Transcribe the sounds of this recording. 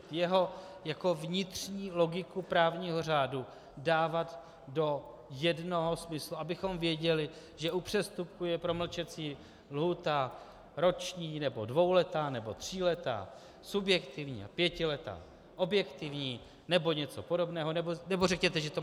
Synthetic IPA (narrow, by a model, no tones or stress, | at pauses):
jɛɦo̞ | jako̞vɲɪt̪r̥ɲiːlo̞ɡɪkupɾaːvɲiːɦo̞r̝aːdu | daːvat̪ | do̞ | jɛdno̞ɦo̞smɪsluʔabɪxo̞mvjɛɟɛlɪ | ʒɛʔupr̝̥ɛst̪up̚kujɛpɾo̞ml̩t͡ʃɛt͡siː | lɦuːt̪a | ɾo̞t͡ʃɲiːnɛbo̞dvo̞wlɛt̪aːnɛbot̪r̝̥iːlɛt̪a̰ː | subjɛkt̪ɪvɲḭːa̰pjɛcɪlɛt̪a̰ː | ʔo̞bjɛkt̪ɪvɲiː | nɛbo̞ɲɛt͡so̞po̞do̞bnɛːɦonɛbonɛbo̞rɛkɲɛt̪ɛʒɛt̪o